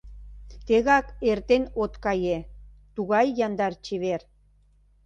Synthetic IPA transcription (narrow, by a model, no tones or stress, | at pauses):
t̪eɣɑkert̪enot̪kɑjet̪uɣɑjːɑnd̪ɑrt͡ɕiβer